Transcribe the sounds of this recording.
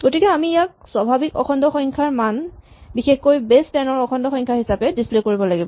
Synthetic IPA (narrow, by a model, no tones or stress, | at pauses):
ɡotikɛamijak̚swabʱabikɔ̰xʰɔndɔxɔŋkʰaɹman | bixexkojbestɛnɔɹɔkʰɔndɔxɔŋkʰaɦisapɛdisplekoɹibɔlaɡibɔ